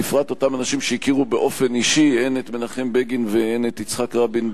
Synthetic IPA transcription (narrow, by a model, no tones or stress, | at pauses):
ifʁat̪o̞tamanaʃimʃeikiʁubeʔo̞fe̞niʃienet̪menaχembeɡinveenet̪it͡sχakʁabin